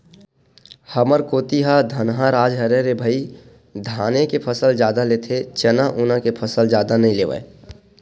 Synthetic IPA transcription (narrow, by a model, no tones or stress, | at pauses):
həməɾkoːt̪iɦad̪ʱənɦaɾaːd͡ʒɦəɾeɾebʱəi | d̪ʱaːnekepʰəsəld͡ʒjaːd̪aleːt̪ʰet͡ʃənaʔʊnakepʰəsəld͡ʒaːd̪anəɦĩleːʋə̰e